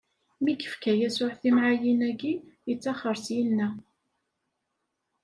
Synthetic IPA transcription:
miɡə̥fkæjæsʊħθimʕajinæɡijət͡sːɑχəɾsjinːæ

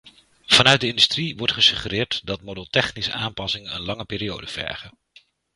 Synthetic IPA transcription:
v̥ɑnœɥt̚dəɪndystriʋɔɹtχəsɵχərɪːɹtdɑtmodəlˠtɛχnisəʔaːmpɑsɪŋənənlɑŋəpɪːɾijo̰wdəv̥ɛ̰ɹχən

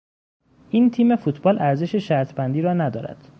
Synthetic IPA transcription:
ʔiːnt̪ʰiːme̞fuːt̪ʰbɒːlʔæɾze̞ʃeʃæɾt̪ʰbænd̪iːɾɒːnæd̪ɒ̰ːɾæ̰d̪̥

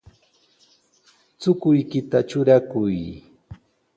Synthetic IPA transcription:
t͡sʊkʊjkɪt̪at͡ʃʊɾakʊj

